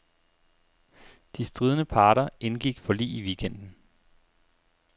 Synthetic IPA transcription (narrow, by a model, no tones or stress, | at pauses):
d̥isd̥ʁiːð̞ˠnəpʰɑ̈ːɾɐenɡ̥iɡ̥fɒlḭːiʋiːkʰen̰d̥n̩